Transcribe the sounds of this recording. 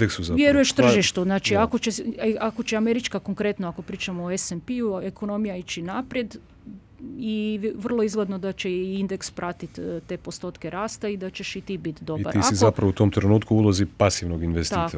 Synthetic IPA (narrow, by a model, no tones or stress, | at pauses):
eksuzaʋjeɾujeʃt̪rr̩ʒiʃt̪uznaːt͡ʃiako̞t͡ʃeako̞t͡ʃeameɾit͡ʃkako̞ŋkɾe̞t̪noako̞pɾiːt͡ʃamooesenpɛueko̞no̞mijait͡ʃinapɾje̞d̪ | iʋr̩lˠoizɡled̪no̞d̪at͡ɕe̞ind̪e̞kspɾʔat̪it̪t̪e̞ːpo̞st̪ot̪keɾaːst̪aid̪at͡ɕe̞ʃit̪iːbit̪d̪o̞biba̰ɾiasizapɾaʋout̪omt̪ɾenuːt̪kuulˠozipasiʋnoɡinʋest̪a